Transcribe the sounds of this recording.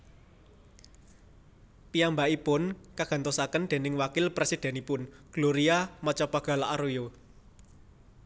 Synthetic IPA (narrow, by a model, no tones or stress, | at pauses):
piambaʔipʊnkaɡ̥a̤nt̪osakənd̪̥e̤nɪŋwakɪlpɾesid̪̥ɛ̤nipʊnɡ̥loɾiamɔt͡ʃɔpaɡ̥ä̤laʔaɾojo